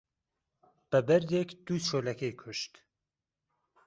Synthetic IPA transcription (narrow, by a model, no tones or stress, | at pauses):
b̥ɛbɛɾd̪ekd̪̥uʃoːlɛkʰejkʰʊʃt̪